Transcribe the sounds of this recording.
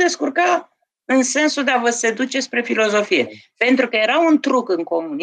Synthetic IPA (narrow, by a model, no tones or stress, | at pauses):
e̞skurka | ɨnse̞nsud̪e̞avəse̞d̪ut͡ʃe̞spɾe̞filo̞zo̞fije̞pe̞nt̪ɾukəje̞ɾaunt̪ɾukɨŋko̞muni